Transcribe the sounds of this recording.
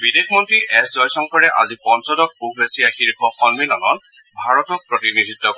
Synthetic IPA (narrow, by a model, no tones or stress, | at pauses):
bidexmɔntɹiʔɛszɔjsɔŋkɔɹɛʔa̰zipɔnsɔdɔk̚puɡlesijaxiɹkʰɔxɔnminɔnɔnbʱaɹɔtɔk̚pɹɔtinidʱitːɔkɔ